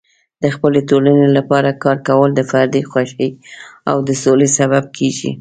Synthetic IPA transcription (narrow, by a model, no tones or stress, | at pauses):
d̪̥əxpəlet̪olanelapɑɾakɑɾkawəld̪əfaɾd̪ixwaʃəa̰wd̪əsolesaβab̚kʰeɡḭ